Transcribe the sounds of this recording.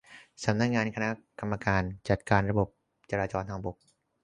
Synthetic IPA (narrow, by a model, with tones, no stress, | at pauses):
sa˩˦mna˦˥k̚ŋaː˧nkʰa˧na˦˥ka˧mːa˧kaː˧nt͡ɕa˨˩t̪̚kaː˧nɾa˧bo˨˩p̚ | t͡ɕa˧ɾaː˧t͡ɕɔː˧nt̪ʰaː˧ŋbo˨˩k̚